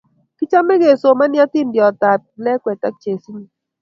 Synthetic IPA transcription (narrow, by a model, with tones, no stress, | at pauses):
ki˦t͡ʃa˦mɛ˦ɣe˨so˨ma˦nja˦t̪i˦˨nbjɔ˨t̪a˨t̚lɛ˦kwɛ˨ta˦k̚t͡ʃe˨si˦ɲi˨